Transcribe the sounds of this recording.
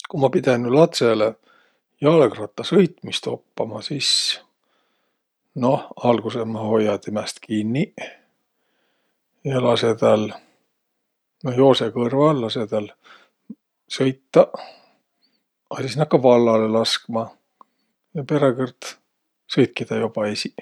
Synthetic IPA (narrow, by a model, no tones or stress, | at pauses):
kumɑpid̪enːulɑt̪sele | jɑlkrɑt̪ːˑɑsɤjt̪mist̪o̞̰pːɑmɑsis | no̞hɑlɡ̥usemɑho̞jːɑt̪imæst̪kinːi | jɑlɑse̞t̪æl | nojo̞ːsekɤrvɑlːɑsed̪̥ɑl | sɤjt̪ːɑ | ɑsisnɑkːɑvɑlːɑle̞lɑskmɑ | jɑpe̞ɾekɯrt̪ | sɤjt̪̚kid̪̥ɑjob̥ɑesi